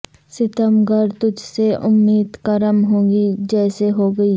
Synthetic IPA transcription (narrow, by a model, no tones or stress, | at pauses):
sɪt̪əmɡəɾt̪ʊd͡ʒseʔʊmːiːd̪kɐɾəmɦõːɡid͡ʒɛːseɦoːɡɐiː